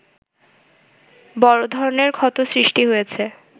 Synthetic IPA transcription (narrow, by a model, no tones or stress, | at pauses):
bɔɾod̪ʱɔɾoneɾkʰɔt̪osɾiʃʈiɦojet͡ɕʰe